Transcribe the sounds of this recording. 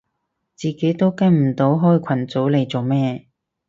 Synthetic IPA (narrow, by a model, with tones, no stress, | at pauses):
t͡siː˨˩ke˨˥jt̪o˥wkɐ˥jm̩˨˩t̪o˨˥wɦɔː˥jkʷʰɐ˨˩nt͡so˨˥wle˨˧jt͡so˨wmɛː˥